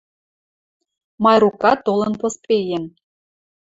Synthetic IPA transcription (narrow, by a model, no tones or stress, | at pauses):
mɑjɾukɑt̪olˠɤ̆npospejem